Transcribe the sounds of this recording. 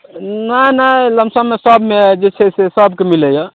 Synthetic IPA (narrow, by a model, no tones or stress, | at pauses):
nanaləmsãmesɔbmed͡ʒet͡ʃʰesesɔbkemiləjɔ